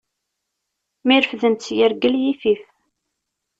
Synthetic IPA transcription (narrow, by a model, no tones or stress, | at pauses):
miɾəfðənt͡sːjəɾɡəljifif